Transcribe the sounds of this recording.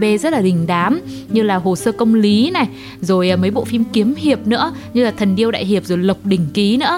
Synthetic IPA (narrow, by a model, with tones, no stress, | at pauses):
ɓe˧zə˦˥t̚laː˨˩ɗï˨˩ŋ̟ɗaː˨˦mɲɨ˧laː˨˩ɦo˨˩səː˧kə˧wŋ͡mli˨˦na˨˩j | zo˨˩jʔːmə˨˦jɓo̰˧˨fi˧mki˨˦əmhi˨˩əp̚nɨ̰˧˥ə | ɲɨ˧laː˨˩t̪ʰə˨˩nɗi˧əwɗa̰ː˧˨jɦi˨˩əp̚zo˨˩jlə˨˩wk͡p̚ɗï˨˩ŋ̟ki˨˦nɨ̰˧˥ə